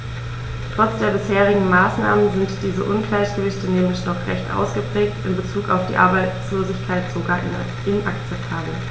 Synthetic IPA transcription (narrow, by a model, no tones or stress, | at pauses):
tʁ̥ɔt͡sd̥eːɐbɪsheːʁ̞ɪɡŋ̩maːsna̰ːmənzɪntd̥iːzə̰ʔʊnɡlaɪçɡ̥əvɪçtəneːm̩lɪç̬nɔχʁɛ̰çtʔa̰ʊsɡ̥əpʁ̥ɛːk̚tɪnbət͡suːka̰ʊfd̥iːʔa̰ɐbaɪt͡sloːzɪçkʰaɪtz̥oɡaːɐʔɪn̰ | ɪnʔakt͡sɛp̚tʰaːbl̩